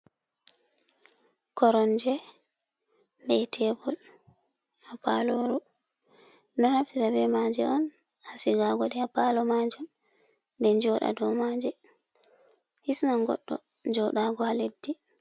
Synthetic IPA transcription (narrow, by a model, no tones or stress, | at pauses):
kɔɾɔnd͡ʒɛ | bɛtʰɛbɔl | hapaloɾɔ | nɔnaftiɾabɛmad͡ʒɛɔn | hasiɡaɡɔɗɛapalɔmad͡ʒum | ndɛnd͡ʒɔɗa̰dɔmad͡ʒɛ | hisnaŋɡɔ̰ɗːɔ̰nd͡ʒɔɗaɡɔhaledːi